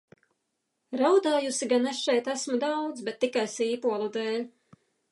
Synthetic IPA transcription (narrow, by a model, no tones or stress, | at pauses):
ɾawd̪aːjusiɡanesʃɛjt̪æsmud̪awd̪zbɛt̪ːikajsiːpuɔlˠud̪eːlʲ